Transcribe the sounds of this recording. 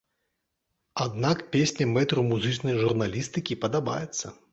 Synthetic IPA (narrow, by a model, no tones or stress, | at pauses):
ad̪nakpʲesʲnʲɐmɛt̪ɾumuzɨt͡ʂnɐjʐurnalʲist̪ɨkʲipɐd̪aba̰jɛt̪sːɐ